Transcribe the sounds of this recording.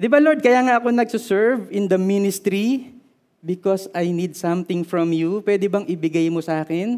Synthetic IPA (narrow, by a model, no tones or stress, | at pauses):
d̪ɪbaloɹd̪̚kɐjaːŋaʔɐkonɐɡ̚sosɛɹvɪ̃nd̪ɐminɪst̪ɾi | bɪkɔsajnid̪̚sɐ̃mt̪ɪŋfɹɔ̃mjupwɛd̪ɛbɐŋʔɪbɪɡajmosɐʔaːkɛn